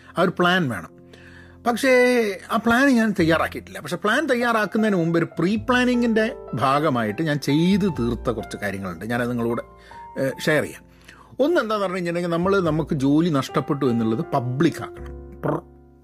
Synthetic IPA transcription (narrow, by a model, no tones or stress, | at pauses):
ɐːoɾupɭaːnʋeːɳɐm | pɐkʂe̞aːpɭaːnɨɲaːnt̪ɐjːaːraːkːiiʈːilːɐpːɐkʂe̞pɭaːnt̪ɐjːaːraːkːunːɐðnmumboɾupriːpɭaːniŋɡinde̞bʱaːɡɐmaːjiʈːɨɲaːnt͡ɕe̞jt̪ɨt̪iːrt̪ːɐkurɐt͡ɕːɨkaːɾjɐŋːɐɭuɳɖɨɲaːnɐðiŋːɐɭuːɽe̞ | ʂejɐrḭja̰ | o̞nːɨe̞nd̪aːnːʋɐrɐɲːuiɲːilneɡinɐmːɐɭnɐmukːɨd͡ʑo̞ːlinɐʂʈɐpːe̞ʈ̬ːuʋenːiɭːɐðɨpɐbɭikːa̰ːkːɐɳɐ̰mp